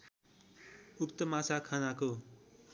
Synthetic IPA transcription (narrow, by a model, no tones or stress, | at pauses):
ukt̪əmasakʰanako